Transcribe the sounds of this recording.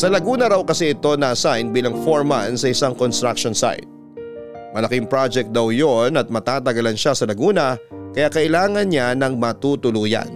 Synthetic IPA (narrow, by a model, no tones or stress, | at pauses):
sɐlɐɡuːnɐɾɐwkɐsɛʔɪt̪o̞nɐʔɐsajn̚biːlɐŋfoɹmansɐɪsaŋkonst̪ɾak̚ʃonsa̰jt̪̚ | mɐlɐkɪŋpɹad͡ʒɛk̚t̚d̪ɐwjonɐt̪̚mɐt̪aːt̪ɐɡɐlɐnʃasɐlɐɡuːnɐkɐjaːkɐʔɪlaːŋɐnɲanɐŋmɐt̪ut̪ʊluːja̰n